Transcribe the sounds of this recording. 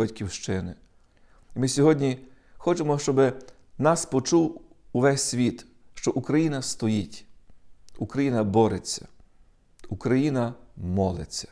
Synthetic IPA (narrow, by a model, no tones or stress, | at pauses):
ɐtʲkʲiwʃt͡ʃɪnɪ | imɪsʲɔɦɔdʲnʲi | xɔt͡ʃemɔʃt͡ʃɔbɪ | nɑspɔt͡ʃuw | ʊʋɛsʲsʲʋʲit̪ | ʃt͡ʃɔʔukɾɐjinɐst̪ɔjitʲ | ukɾɐjinɐbɔɾet͡sʲːɐ̥̰ | ukɾɐjinɐmɔlˠɪ̰t͡sʲːɐ̥